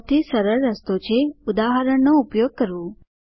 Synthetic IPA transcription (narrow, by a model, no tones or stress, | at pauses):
t̪iːsəɾəɭːəst̪ot͡ɕeud̪aɦəɾəɳnɔupjoɡ̚kəɾuː